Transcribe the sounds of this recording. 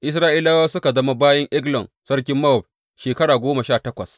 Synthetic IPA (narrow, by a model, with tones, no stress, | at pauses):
ʔɪ˦s̬ɾaː˦ʔiː˦laː˦waː˦sʊ˦ka˨zɐ˦ma˦baː˦jɐ˦ŋʔɪ˦ɡlɔ˨n | sɐ˦rk̬ʲɪ˦mːɐ˦ɔ˨b̚ | ʃeː˨kɐ˦ɽaː˨ɡʷoː˦mɐ˨ʃaː˦˨tɐ˦kʷɐ̰˨s